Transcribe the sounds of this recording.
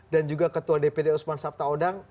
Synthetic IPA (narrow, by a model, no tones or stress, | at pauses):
dand͡ʒuɡakət̪uadepedeusmansap̚t̪aodaŋ